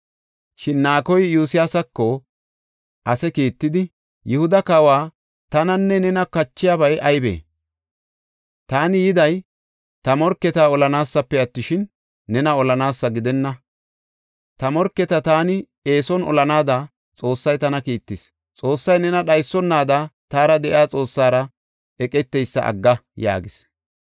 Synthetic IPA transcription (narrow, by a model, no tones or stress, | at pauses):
ʃɪnːaːkɔjjuːsɪjaːsɐkːɔ | ʔɐsɛkiːt̪ːɪd̪ɪ | jɪhʊd̪ɐkɐwaː | t̪ɐnɐnːɛnɛnɐkɐt͡ʃːɪjaːbɐjʔɐjbḛː | t̪aːnɪjɪd̪ɐj | t̪ɐmɔɾkːɛt̪aːɔlɐnaːsːɐpːɛɐt̪ːɪʃɪnː | ɛnɐɔlɐnaːsːɐɡɪd̪ɛnːɐ | t̪ɐmɔɾkːɛt̪ɐt̪aːnɪ | e̞ːsɔnɔ̰lɐnaːd̪a | t͡sʼo̞ːsːɐjt̪ɐnɐkiːt̪ːɪs | t͡sʼo̞ːsːɐjnɛnɐɗɐjsːɔnːaːd̪at̪aːɾɐd̪ɛʔɪaːt͡sʼo̞ːsːaːɾɐ | ɛkʼɛt̪ːɛjsːɐ̰ʔɐ̰ɡːɐja̰ːɡɪs